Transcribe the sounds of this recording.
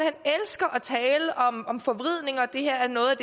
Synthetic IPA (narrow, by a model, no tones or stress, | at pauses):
henelsɡ̥ɐʔæt͡sʰɛːləʔɒ̽mɒ̽mfɒ̽ʋʁið̞̰ˠne̝ŋɐd̥e̝hæɐ̰æɐnɔ̽ːð̩ˠæd̥